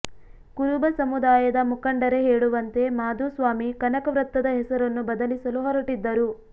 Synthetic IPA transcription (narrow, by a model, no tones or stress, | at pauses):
kuɾubɐsɐmud̪aːjɐd̪ɐmukɐɳɖɐɾe̞ɦeːɭuʋɐnt̪e̞maːd̪uːsʋaːmikɐnɐkɐʋɾɐt̪ːɐd̪ɐɦɛsɐɾɐnːubɐd̪ɐlisɐluɦɐɾɐʈid̪ːɐɾu